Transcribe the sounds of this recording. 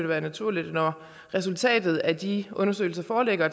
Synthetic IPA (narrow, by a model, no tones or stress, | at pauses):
d̥ʋæːɐnæt͡sʰuɐ̰lid̥nɒ | ʁɛsult͡sʰɛ̰ːd̥ð̞̩ˠæd̥iʔɔ̽nɐsø̰ɪl̩sɐfɒːleɡ̥ɐ